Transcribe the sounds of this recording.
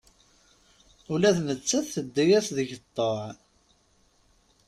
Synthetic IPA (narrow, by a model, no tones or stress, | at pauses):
ʊlæθnət͡sːæθθəd̪ːijæsðəʝət̪ˤːoʕ